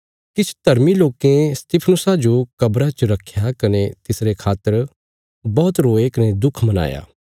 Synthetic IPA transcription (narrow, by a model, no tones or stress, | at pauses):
kɪt͡ʃʰd̪ʱɐɾmiloːkẽst̪ipʰnʊsad͡ʒokɐbɾat͡ʃəɾɐkʰːjakɐnet̪ɪsɾekʰaːt̪ːəɾ | bɔːt̪ɾoːekɐned̪ʊkʰmɐna̰ːja̰ː